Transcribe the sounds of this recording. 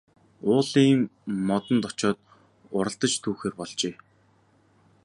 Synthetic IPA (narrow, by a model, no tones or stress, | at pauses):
ʊːɮiːŋmɔt̪ə̆nt̪ɔt͡ɕɔːt̪̚ | ʊɾə̆ɬt̪ə̆t͡ɕt̪ʰuːxeːrpɔɮt͡ɕeː